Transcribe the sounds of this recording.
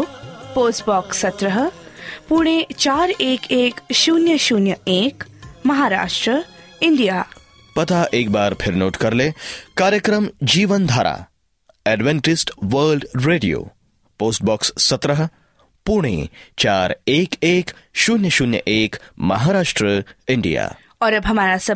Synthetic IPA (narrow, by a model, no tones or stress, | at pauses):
poːsʈbɔːksːɐt̪ɾəɦəpuɳ̃et͡ʃaːɾeːkeːkʃuːnjəʃuːnjəeːkmɐɦaːɾa̰ːʃʈɾəinɖijaː | pɐt̪aʔeːk̚baːɾpʰɪɾnoːʈkɐɾlekaːɾjəkɾəmd͡ʒiːʋənd̪ʱaːɾa̰ː | ɛɖʋẽɳʈɪsʈʋəːɾlɖɾeːɖijo̰ː | poːsʈ̚bɔːksːɐt̪ɾəɦə | puɽ̃ḛt͡ʃaːɾeːkeːkʃuːnjəʃuːnjə̰ʔeːkmɐ̰ɦaːɾaːʃʈɾəɪɳɖḭja̰ː | ɔːɾbɦɐmaːɾasɐ